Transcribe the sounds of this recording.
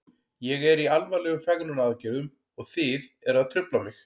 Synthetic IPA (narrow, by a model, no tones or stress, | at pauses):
jɛɣɛɾialvalɛɣʏmfɛɣnʏnaðcɛðʏm | ɔɣθɪð | ɛɾaðt̪ʰɾʏplamɪx